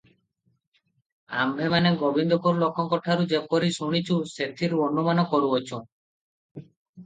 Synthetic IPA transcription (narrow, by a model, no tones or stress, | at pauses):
a̰mbʱemaneɡobind̪ɔkoɾlokʰːɔŋkɔʈʰaɾud͡ʒepɔɾisuɽ̃it͡ʃʰuset̪ʰiɾuonːumanɔkɔɾuɔt͡ʃʰo